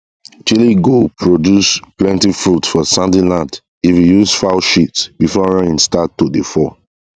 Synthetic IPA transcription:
t͡ʃiliɡopʰɹodjusplɛ̃ntifɹutfɔsãndilãnd | ifijuzfaʃitsbifɔɹãnĩŋstatːodefɔ

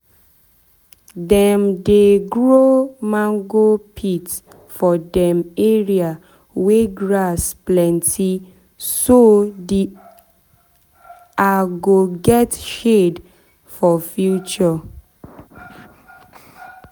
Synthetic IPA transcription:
dɛ̃mdeɡɹomãŋɡopʰit | fɔdɛ̃meɹia | weɡɹasplɛ̃ntʰi | sodi | aɡoɡɛtʃed | fɔfjut͡ʃɔ

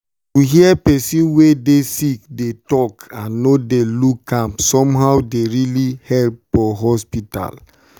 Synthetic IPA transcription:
tuɦiɛpɛsĩnwedesik̚detɔkãnːodelukːãmpsɔ̃mɦaʊwdeɹilihɛlpfɔɦɔspita̰l

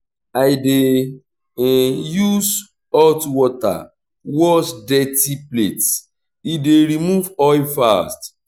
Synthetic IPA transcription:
ajde | juz | ɔtwɔta̰ | wɔsdɛtiplet | ideɾimuvɔjfast

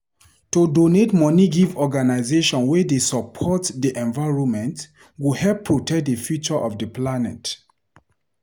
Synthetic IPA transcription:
todonetmɔniɡivɔɡanaɪzeʃɔ̃nwɛdesɔpʰɔtdiʔɛ̃nvaɪɹɔ̃nmɛ̃nt | wuhɛlppʰːɹotɛk̚dəfjut͡ʃɔʔɔfdəplanɛ̰t

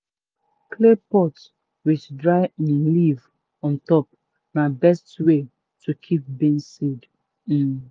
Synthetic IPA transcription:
kʰlepɔt | wit͡ʃdɹaɪnĩliv | ɔ̃ntɔp̚ | nabɛstwe | tukʰip̚bẽnsid̩

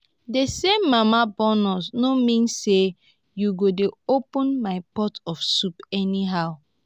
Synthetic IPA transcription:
desemːamabɔnɔsnomĩnsːe | juɡodeopɔ̃nmaɪpɔtɔfsupɛniɦaʊ

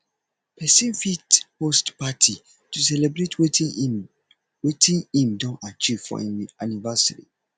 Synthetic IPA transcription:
pʰɛsĩnfithostpatʰi | tusɛlɛbɾetʰwe | wetĩnĩmdɔ̃nat͡ʃiv̥fɔ̰anivasaɹḭ

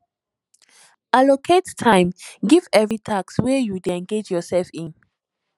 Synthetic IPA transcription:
alokʰettʰãjmɡivɛvɹitʰakswɛjudɛ̃nɡed͡ʒjɔsɛlfĩn

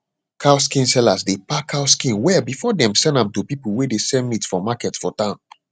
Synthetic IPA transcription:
kʰaʊskĩnsɛlasdepakaʊskĩnwɛbifɔdɛ̃msɛ̃ndãmtupipəl̩wedesɛ̃mmitfɔmakɛtfɔtãʊ̃n

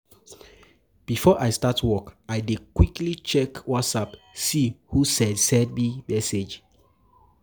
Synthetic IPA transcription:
b̥ifɔʔaɪstatʰwɔkajdekwiklit͡ʃɛkwɔtsap | sihusɛ̃dsɛd̚mimɛsed͡ʒ

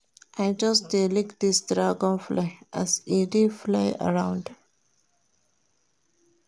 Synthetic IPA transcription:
ʔaɪd͡ʒʌsd̪eːlɪkd̪ɪsɖɾaːɡõnflaɪʔæzeɖiflaɪʔə̰ɾãʊ̃ɳɖ

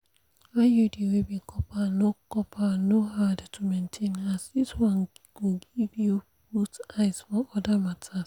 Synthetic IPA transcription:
ajudiwibikʰɔpanokɔpʰanohadtʰumentʰẽnasiswãnɡ̥oɡivju | butaɪsfɔɔdamatʰas

